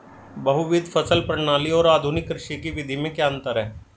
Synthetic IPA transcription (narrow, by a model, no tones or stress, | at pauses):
bɐɦuʋɪd̪ʱfʰɐsəlpɾəɳ̃aːliɔːɾaːd̪ʱʊnɪkːɾɪʃikiʋɪd̪ʱimẽkjaːə̃nt̪əɾɦɛː